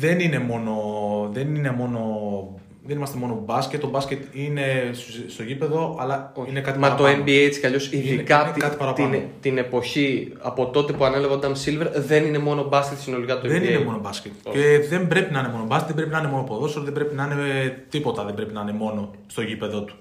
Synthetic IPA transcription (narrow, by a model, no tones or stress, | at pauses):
ðe̞nine̞mo̞no̞ðenine̞mo̞no̞ | ðenimɐst̪emo̞no̞bɐsce̞t̪ːobɐsce̞t̪ine̞sst̪o̞ʝipe̞ðo̞ʔɐlɐoinekɐt̪imɐɐt̪oembiejet͡scɐʎo̞siðikɐnet̪kɐt̪ipɐɾɐpt̪int̪ine̞po̞çi | ɐ̰po̞t̪o̞t̪e̞puɐnelɐvɐnd̪ɐmsilveɾðe̞nine̞mo̞no̞bɐscet̪sino̞likɐt̪ueennemo̞nobɐscʲet̪ceðe̞mbɾe̞pinɐinemo̞nobɐsket̪ðebɾepinɐineo̞noipo̞ðosolɐðebɾe̞pinɐinet̪ipo̞t̪ɐðe̞mbɾepinɐɐne̞mo̞no̞ | st̪o̞ʝipe̞ðo̞t̪u̥